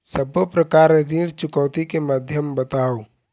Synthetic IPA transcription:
səbpɾəkaːɾɾiːɽt͡ʃʊkəwt̪ikeməd̪ʱjəmbət̪aːo

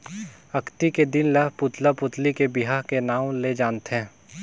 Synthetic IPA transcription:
ɐkʰt̪iked̪ɪnlɐɦpʊt̪lapʊt̪likebɪɦaːɦkenaːwled͡ʒaːnt̪ɦɛ̃ː

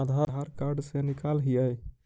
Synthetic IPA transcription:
ad̪ʱaaɾkaɾɖsenikalɦijəj

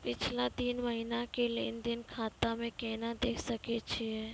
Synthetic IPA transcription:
pɪt͡ʃʰlat̪iːnməɦinakelend̪ɪnkʰaːt̪amẽkɛːnad̪eːkʰsɐket͡ʃʰiɦɛː

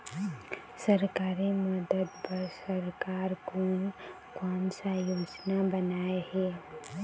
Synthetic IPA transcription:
səɾkaːɾeməd̪əd̪pɐɾsəɾkaːɾko | kɔːnsajoːd͡ʒnabənaːehɛː

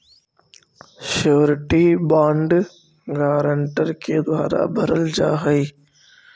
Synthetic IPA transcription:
ʃoːɾʈiːbaːɳɖ | ɡaːɾəɳʈəɾked̪ʊwaːɾa̰bʱəɾəld͡ʒaːɦəiː

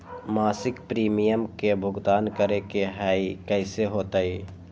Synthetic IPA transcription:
maːsɪkpɾiːmijəmkebʱʊɡt̪aːnkəɾekeɦaːikɛɪseɦoːt̪aːiː

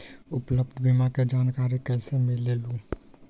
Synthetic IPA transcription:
ʊpləb̚d̪ʱbimaked͡ʒaːnkaːɾekɛːsemɪlːeluː

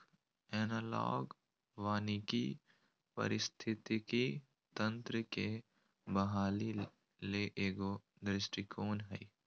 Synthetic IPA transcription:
ɛːnaːlɔ̰ːɡ | ʋaːniki | pɐ̰ɾɪst̪ʰɪt̪iki | t̪ə̃nt̪ɾəke | bɐɦaːli | leʔeːɡoː | d̪ɾɪsʈikʰoːnɦɛi

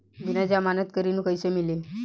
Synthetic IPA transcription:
binad͡ʑamanət̪̚kəɾinukəjsemile

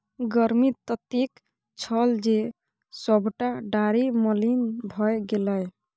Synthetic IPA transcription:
ɡəɾmit̪ɔt̪ik | t͡ʃʰɔld͡ʒe | sɔbʱʈaɖaɾimɔlinbʱɔjɡelaj

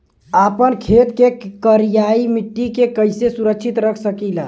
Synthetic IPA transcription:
apənkʰet̪kekəɾijaimiʈːikekəɪjsesuɾək̚t͡ʃʰit̪ɾəkʰsəkilə

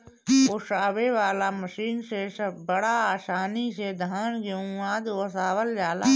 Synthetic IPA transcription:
oːʃaːʋeʋaːlaməʃiːnseʃəbəɽaaːʃaːnised̪ʱaːnɡeũaːd̪osaːʋəljaːla̰ː

